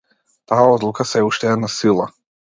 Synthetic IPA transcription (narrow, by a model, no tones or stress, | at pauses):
t̪aaɔd̪lˠukasɛuʃt̪ɛɛd̪nasilˠa